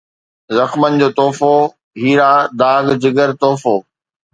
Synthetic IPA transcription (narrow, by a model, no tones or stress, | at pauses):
zɐxmənɪ̆d͡ʑoːt̪oːfo | ɦiːɾaːd̪aːɡd͡ʑɪɡəɾt̪oːfoː